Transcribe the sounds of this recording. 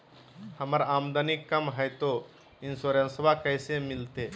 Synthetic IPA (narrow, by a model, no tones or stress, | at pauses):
həməɾaːmd̪ənikːəmɦəjt̪o | ɪnsoɾə̃nsbakəjsemɪlt̪e